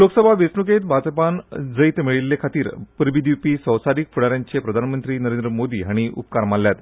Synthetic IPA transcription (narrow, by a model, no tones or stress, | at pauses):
loksəbʱaʋet͡snuket̪̚bʱat͡spand͡zəit̪miɭilːekʰat̪iːɾpəɾʋid̪ʱipiːsəwsaɾikfuɽaɾjaɲt͡ɕepɾəd̪ʱanmənt̪ɾiːnəɾend̪ɾəmod̪iːɦaɽ̃iʔṵpkaɾmalːjat̪